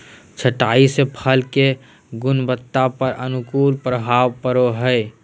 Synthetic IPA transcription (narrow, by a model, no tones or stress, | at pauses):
t͡ʃʰəʈaːisepʰəlke | ɡʊnbət̪ːapəɾənʊkuːlpɾəbʱaːʋpəɾoɦəe